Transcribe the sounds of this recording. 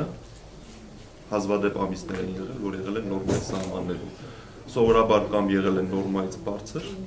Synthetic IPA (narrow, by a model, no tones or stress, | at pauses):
ə | hɑzvɑd̪ɛpɑ̰misnɛɾɛnjɛʁɛ̰lvɔɾjɛʁɛlɛnːɔɾmɑjisɑhmɑ̰nːɛɾṵm | sɔvɔɾɑbɑɾkɑmbjɛʁɛlɛnːɔɾmɑjit͡sʰbɑɾt͡sʰəɾ